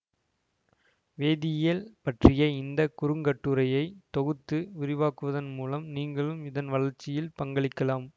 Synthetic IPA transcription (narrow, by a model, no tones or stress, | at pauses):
ʋeːðɪjɐlpɐʈrɪjɐɪnd̪ɐkʊɾɯŋɡɐʈːɯɾɐjɐɪt̪ɔɣɯt̪ːɯʊɾɪʋaːkɯʋɐðɐnmuːlɐmniːŋɡɐɭɯmɪðɐnʋɐɭɐɾt͡ʃːɪjɪlpɐŋɡɐɭɪkːɐlaːm